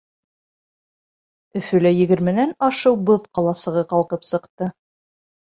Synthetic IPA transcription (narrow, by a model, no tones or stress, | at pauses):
ɵ̆fɵ̆læjɘ̆ɡɘ̆ɾmɘ̆nænɑʃɤwbɤðqɑlˠɑsɤ̆ʁɤqɑlˠqɤpsɤ̆qt̪ɤ